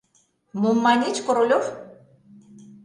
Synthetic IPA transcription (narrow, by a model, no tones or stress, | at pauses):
momːɑnʲit͡ɕkoɾolʲof